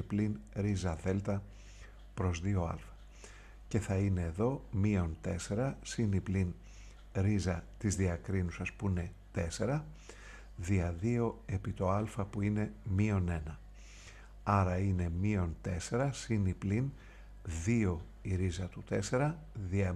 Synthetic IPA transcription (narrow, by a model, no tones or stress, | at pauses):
iplinɾizɐðe̞lt̪ɐ | pɾo̞zðio̞ɐ̰lfɐ̥ | ce̞θɐine̞ːðo̞mio̞nt̪e̞se̞ɾɐsiniplin | ɾizɐt̪izðiɐkɾinusɐspuine̞t̪e̞se̞ɾɐ | ðiɐðio̞e̞pit̪o̞ɐlfɐpuine̞mio̞ne̞nɐ | ɐɾɐine̞mio̞nt̪e̞se̞ɾɐsiniplin | ðio̞ | iɾizɐt̪ut̪e̞se̞ɾɐ | ðiɐ